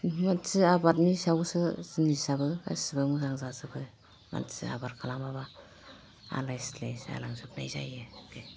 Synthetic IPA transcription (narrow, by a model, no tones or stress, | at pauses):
masɯabatnisabusɯsinisabɯa̰sɯbɯmɯzaŋzasɯbɯ | ma̰sia̰baɾkʰalamaba | a̰lajslesa̰laŋsɯp̚najza̰jɯkʰe